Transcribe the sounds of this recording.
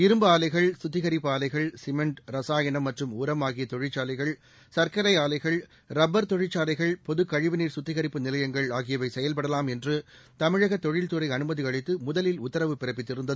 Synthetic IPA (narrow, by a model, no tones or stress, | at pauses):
ɪɾɯmbɐaːlɐɪɣɐɭsʊt̪ːɪɣɐɾɪpːɯaːlɐɪɣɐɭsɪmɛɳʈɾɐsaːjɐnɐmːɐʈrɯmuːɾɐmaːɣɪjɐt̪ɔɻɪt͡ʃːaːlɐɪɣɐɭ | sɐɾkɐɾɐɪaːlɐɪɣɐɭ | ɾɐbɐɾt̪ɔɻɪt͡ʃːaːlɐɪɣɐɭpɔðɯkːɐɻɪʋɪniːɾsʊt̪ːɪɣɐɾɪpːɯnɪlɐjɐŋɡɐɭaːɣɪjɐʋɐɪsɛjɐlpɐɽɐlaːmɛndrɯt̪ɐmɪɻɐɣɐt̪ːɔɻɪlt̪ɯɾɐɪɐnɯmɐðiɐɻɪt̪ːɯmʊðɐlɪlʊt̪ːɐɾɐʋɯpɪɾɐpːɪt̪ːɪɾɯnd̪ɐðɯ